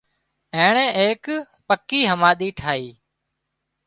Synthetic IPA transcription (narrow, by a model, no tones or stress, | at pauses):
ẽːɳẽːeːk | pəkːiːɦəmaːɗ̪iːʈʰaːiː